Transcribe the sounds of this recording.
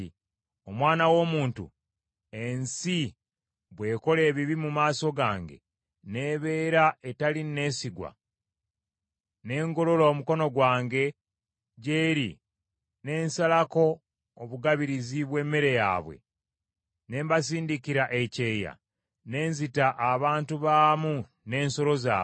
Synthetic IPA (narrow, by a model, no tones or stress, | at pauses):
o̞mwaːnawo̞ːmuːntṵ | e̞nsi | βwe̞ːko̞le̞ːβiβimumaːso̞ɡaːŋɡe̞̰ | ne̞ːβe̞ːɾae̞taline̞ːsiɡwa̰ | ne̞ːŋɡo̞lo̞loːmuko̞no̞ɡwaːŋɡe̞ | ɟeːɾḭ | ne̞ːnsalako̞ː | βuɡaβiɾiziβwe̞ːmːeɾe̞ja̰ːβwe̞̰ | ne̞ːmbasiːndikiɾaʔece̞ːja̰ | ne̞ːnzitaʔːβaːntuβaːmu | ne̞ːnso̞ɾo̞za̰ː